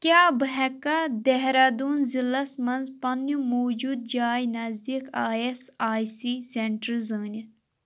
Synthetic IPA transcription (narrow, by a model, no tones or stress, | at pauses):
kjaːbɐɦɛkːɐd̪ɛɦɾɐd̪uːnzilɐsmɐnzpɐnumoːd͡ʒud̪̚d͡ʒaːjnɐzd̪ikaːjesaːjsiːseɳʈəɾzəːnʲi